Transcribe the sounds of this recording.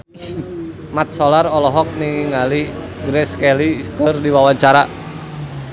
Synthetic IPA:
mat̪̚sɔlarɔlɔɦɔk̚niŋaliɡɾɛskɛlikərdiwawaɲt͡ʃaɾa

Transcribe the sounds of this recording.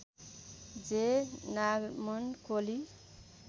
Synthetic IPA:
d͡zenaɡmʌnkoli

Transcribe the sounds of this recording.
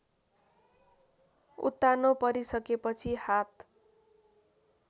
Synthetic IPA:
ṵt̪ːanopʌɾisʌkepʌt͡sʰihat̪

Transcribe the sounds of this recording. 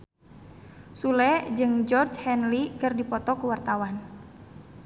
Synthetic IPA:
sulɛd͡ʒɨŋd͡ʒɔrd͡ʒhɛnlikɨrdipɔt̪ɔkuwart̪awan

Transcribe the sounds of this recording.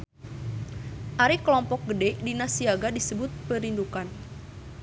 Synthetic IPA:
ʔaɾikəlɔmpɔk̚ɡədɛʔdinasiaɡadisəbʊt̪̚pəɾindukan

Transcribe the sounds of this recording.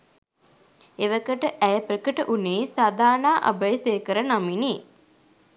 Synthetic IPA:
eʋəkəʈəʔæjəprəkəʈəʔuneːsad̪aːnaːʔa̰bəjseːkəɾənaminiː

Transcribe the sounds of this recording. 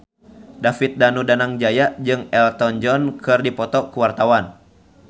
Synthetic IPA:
dafit̪̚danudanaŋd͡ʒajaʔd͡ʒɨŋɛlt̪ɔnd͡ʒɔnkɨrdipɔt̪ɔkuwart̪awan

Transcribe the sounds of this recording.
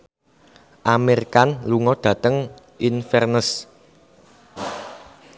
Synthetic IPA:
ʔameɾkanluŋɔɖ̪̥ä̤t̪əŋ | ʔinfɛrnəs

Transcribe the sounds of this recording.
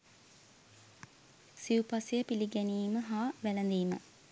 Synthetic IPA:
siupasejəpiliɡæniːməɦaːʋælɐnd̪iːmə̰

